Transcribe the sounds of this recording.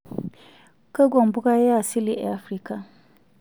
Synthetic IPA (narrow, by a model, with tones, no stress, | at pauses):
ka˦ɡɔ˨mbʊ˦ɡa˦ja˦˨sɪ˦li˦ʔa˦fɾi˦ka˨